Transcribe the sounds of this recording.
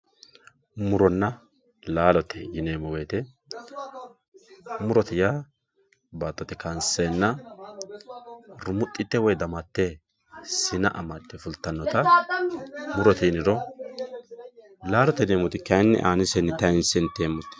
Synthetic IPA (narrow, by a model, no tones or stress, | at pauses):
mʊɾɔnːɐ | laːlɔt̪ʰːɛjɪneːmɔweːt̪ɛ | mʊɾɔt̪ɛja | baːt̪ːɔt̪ːɛkɐnseːnːɐ | ɾʊmʊt̪ʼːɪt̪ːɛwɔjd̪ɐmɐt̪ːe | sɪnɐʔɐ̰mat̪ːɛfʊlt̪ːɐnːɔt̪ɐ | mʊɾɔt̪ɛjɪnɪɾɔ | laːlɔt̪ɛneːmɔt̪ɪkɐnːɛ̰ʔaːnɪsɛnːɛt̪ɐɪnsɛnt̪ːeːmɔt̪ːɛ̥